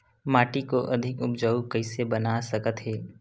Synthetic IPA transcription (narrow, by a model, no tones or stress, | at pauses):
maːʈikoʔɐd̪ʱɪkʊp̚d͡ʒəukɐɪsebɐnasɐkət̪ɦɛː